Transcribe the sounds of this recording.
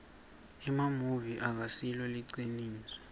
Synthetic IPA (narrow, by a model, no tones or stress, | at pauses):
ɛmamuviʔak̬asilɔliǀiniːswɛ̥